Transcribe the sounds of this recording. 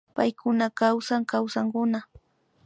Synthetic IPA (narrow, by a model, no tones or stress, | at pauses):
pajkʊnakawsaŋkawsaŋkʊna